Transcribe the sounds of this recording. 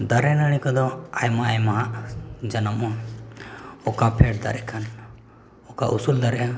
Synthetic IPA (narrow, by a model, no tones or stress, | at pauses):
d̪aɾɛnəɽ̃ikɔd̪ɔajmaajmaɦaʔd͡ʒanəmɔ | ɔkapʰɛʈd̪a̰ɾɛkʰan | ɔkaʔusuld̪aɾɛ